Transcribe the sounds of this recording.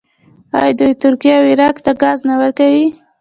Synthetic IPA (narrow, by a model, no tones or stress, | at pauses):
ɑ̰jd̪ujt̪ʊɾkijawɪɾɑkt̪aɡɑznawəɾkawi